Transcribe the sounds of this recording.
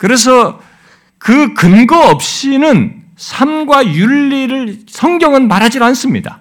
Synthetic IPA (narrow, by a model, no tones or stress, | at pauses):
kɯɾe̞s̬ʰʌ | kɯkɯnɡʌʌp̚ɕ͈inɯn | sʰamɡwajuɭːiɾɯɭsʰʌŋɡjʌŋɯnmaɾɦad͡ʑidoans͈ɯmɲida̰